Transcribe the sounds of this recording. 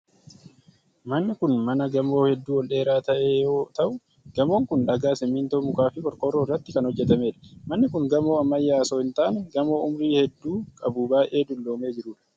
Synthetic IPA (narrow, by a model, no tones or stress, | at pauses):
mɐnːɪkʊnmɐnɐɡɐmo̞ːhɛd̪ːuːwɔlɗe̞ːɾaːt̪ɐʔeːjoːt̪ɐʔʊ | ɡ̥ɐmo̞ːŋkʊnᶑɐɡaːsɛmiːnt̪omʊkaːfɪkʼɔɾkʼɔrɾːoɪrːɐt̪ːɪkɐnhɔd͡ʒːɛt̪ɐmeːᶑɐ̥mɐnːɪkʊŋɡɐmo̞ːɐmːɐjːaːsoːhɪnt̪aːnɡɐmo̞ːʊmɾiːhɛd̪ːuːkʼɐbuːbaːʔe̞ːd̪ʊlːo̞ːme̞ːd͡ʒɪɾʊːᶑɐ̥